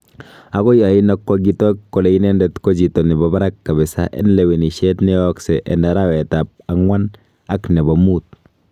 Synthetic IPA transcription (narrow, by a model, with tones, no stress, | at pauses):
a˨ɡɔ˦ja˨ina˦kːɔ˦ɡi˦tɔkːɔ˨lɛ˨i˦nɛ˦ndɛtko˦d͡ʒi˨tɔ˨ni˨baba˦ɾa˦kːa˨βɛ˨sa̰˦ʔɛ̰˦nlɛ˨we˨ni˨ʃɛ˦tnɛ˦ɔksɛ˨ʔɛ̰˨na˨ɾa˦wɛ˨ta˨p̚a˨ŋwa˦n | a˦knɛ˨bɔ˨mu˦t̚